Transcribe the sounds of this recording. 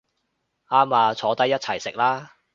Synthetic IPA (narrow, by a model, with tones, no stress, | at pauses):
ʔaː˥maː˧t͡ʃʰɔː˨˥t̪ɐ˥jːɐ˥t̚t͡sʰɐ˨˩jsɪ˨k̚laː˥